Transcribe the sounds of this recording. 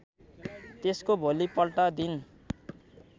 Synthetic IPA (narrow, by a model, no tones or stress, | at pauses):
t̪eskobʱolipʌlʈʌd̪in